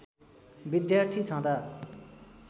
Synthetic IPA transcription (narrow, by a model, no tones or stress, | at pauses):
bid̪jart̪ʰit͡sʰʌ̃t̪a